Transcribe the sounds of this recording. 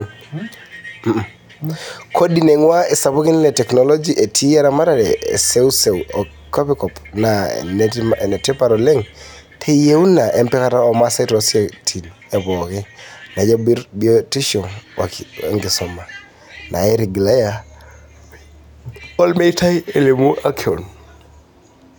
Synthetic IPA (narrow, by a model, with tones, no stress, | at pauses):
kʰo˦di˨ne˨ŋwa˦e˨sa˨pu˦ki˦nlɛtɛ˨knɔlɔ˦d͡ʒiʔe˨tʰi˦ja˦ɾama˦ɾaɾɛ̰˨seuse˨uɔ | kɔ˦pikɔ˨pna̰n˨nɛ˨tɛpaɾɔlɛ˦ŋ | tʰe˦je˦u˦na˨ʔɛ˦mpɛkataɔmasa˦tɔsa˨tʰi˨n | ɛ˨βɔ˨kɛ˦na˨d͡ʒɔbiɔti˦ʃɔ˨ŋwa˨ŋɡɪ˨sɔ˨ma˨ | na˨ɛ˦ɾi˨ɡla˦ja | ɔ˦lme˦ita˦je˨le˨mu˦ʔa˦kʰiɔ˨n